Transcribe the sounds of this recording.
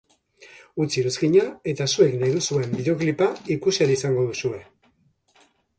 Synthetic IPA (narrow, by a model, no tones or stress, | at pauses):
ut͡siɾuzɡiɲae̞t̪asue̞knejðusue̞mbiðoklipaikuseaɾisaŋɡo̞ðusue̞